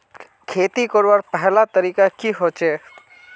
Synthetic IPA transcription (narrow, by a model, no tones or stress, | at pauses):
kʰeːt̪ikoɾwaɾpɛɦlat̪əɾiːkakiɦoːt͡ʃeː